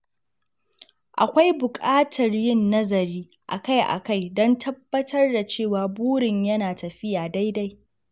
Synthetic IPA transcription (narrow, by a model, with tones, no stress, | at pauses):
ʔa̰˨kʷa˦jbʊ˨kʼaː˦tʰɐ˨rjɪ˦˨nːɐ˦zɐ˨ɾiː˦ | ʔa˨ka˦˨jʔa̰˨ka˦˨jdɔ˦ntʰɐ˦bːɐ˦tʰɐ˦rda˨t͡ʃeː˦˨waː˨buː˦ɽɪ˨ɲjɐ˦naː˨tʰɐ˨ɸɪ˦jaː˨da˦jda˦j